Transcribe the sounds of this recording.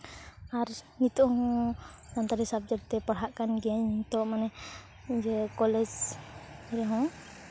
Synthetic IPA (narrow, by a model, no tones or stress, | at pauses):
aɾhit̪ɔhɔ̃sant̪aɾisab̚d͡ʒaɾ̚t̪ɛpaɽɦaʔkanɡɛɲit̪ɔʔmanɛ | d͡ʒɛkɔlɛd͡ʒ | iɾɛɦɔ̃